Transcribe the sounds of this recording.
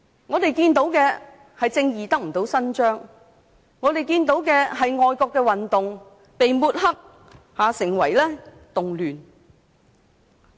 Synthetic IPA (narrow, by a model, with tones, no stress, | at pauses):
ŋɔː˨˧t̪e˨jkiː˧nt̪̬o˨˥wkɛː˧ | hɐ˨jt͡sɪ˧ŋjiː˨t̪ɐ˥k̚m̩˨˩t̪o˨˥wsɐ˥nt͡ʃœː˥ŋ | ŋɔː˨˧t̪e˨jkiː˧nt̪o˨˥wkɛː˧ɦɐ˨jŋɔː˨˧jkɔː˧kːɛː˧wɐ˨nt̪ʊ˨ŋ | pe˨jmuː˧t̚hɐ˥k̚ | haː˨˧sɪ˨˩ŋwɐ˨˩jlɛː˥ | t̪ʊ˨ŋlyː˨n